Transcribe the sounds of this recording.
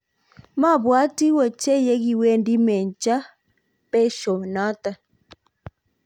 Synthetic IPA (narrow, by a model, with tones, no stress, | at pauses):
ma˦˨βwa˦ti˦wɔ˨t͡ʃɛ˦jɛ˦ɣi˦wɛ˦ndi˦mɛ˨nt͡ʃa˦ | pɛ˦ʃɔ˨na˦ta˨